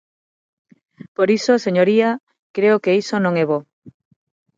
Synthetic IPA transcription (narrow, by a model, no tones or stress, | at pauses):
poɾisoseɲoɾia | kɾeokeisonõŋɛβo